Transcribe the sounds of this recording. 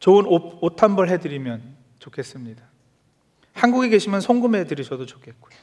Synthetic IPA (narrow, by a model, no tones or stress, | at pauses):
t͡ɕoɯnootʰanbʌɭɦe̞dɯɾimjʌn | t͡ɕokʰe̞s͈ɯmɲida | hanɡuɡiɡe̞ɕʰimjʌnsʰoŋɡume̞dɯɾisʰʌdot͡ɕo̥kʰe̞t̚k͈o̥jo